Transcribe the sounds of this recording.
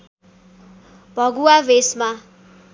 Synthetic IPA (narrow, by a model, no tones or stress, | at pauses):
b̥ʱʌɡuabesma